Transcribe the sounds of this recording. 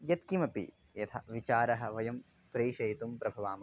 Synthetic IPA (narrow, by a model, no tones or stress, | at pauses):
jɐt̪kimɐpḭ | jɐt̪ʰɐ̰ʋit͡ʃaːɾɐɦɐ̆ʋɐjɐm | pɾeːʃɐjt̪umpɾɐbʱɐʋaːm